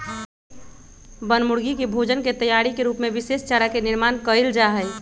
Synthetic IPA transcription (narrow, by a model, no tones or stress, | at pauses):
bənmʊɽɡikibʱod͡ʒənket̪əjaɽikeɾuːpmẽʋɪseːst͡ʃaɾakenɪɾmaːnkəild͡ʒaɦəɪ